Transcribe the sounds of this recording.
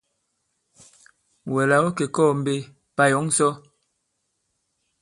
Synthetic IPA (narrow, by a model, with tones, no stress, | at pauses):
wɛ˨la˨wo˦ke˨kɔː˦˨m̩˨be˦ | pa˦jɔ˨˦ŋsɔ˦